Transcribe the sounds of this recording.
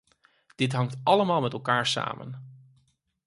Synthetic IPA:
d̥ɪtɦɑŋtɑləmaːlˠmɛtɛlˠkaːɹsa̰ːmə̰n

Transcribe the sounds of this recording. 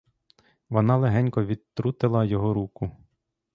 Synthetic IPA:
ʋɔnɑlˠeɦɛnʲkɔʋʲid̪t̪ɾut̪ɪlˠɐjɔɦɔɾukʊ

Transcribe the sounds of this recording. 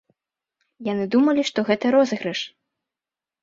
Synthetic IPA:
janɨd̪umɐlʲiʂt̪ɔɣɛt̪ɐɾɔzɨɣɾɨʂ

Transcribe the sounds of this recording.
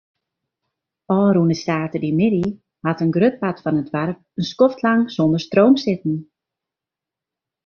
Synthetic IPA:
ɔːɾunəstaːtədimɪdi | hatənɡrøt̚patfɔnədʋɛrp̚ənskɔftlaŋsondərstroːmsɪtn̩

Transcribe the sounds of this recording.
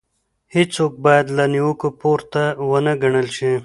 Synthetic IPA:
hit͡sok̚bɑjad̪laniwəkupoɾt̪awənəɡəɳəlʃi

